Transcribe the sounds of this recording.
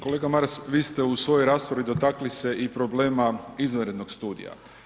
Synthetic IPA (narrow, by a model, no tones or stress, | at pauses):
ko̞le̞ːɡamaɾsʋiːst̪e̞usʋo̞jojɾaːspɾaʋid̪o̞t̪aklise̞ʔipɾo̞ble̞ːmaizaɾe̞d̪no̞kst̪uːd̪ḭja̰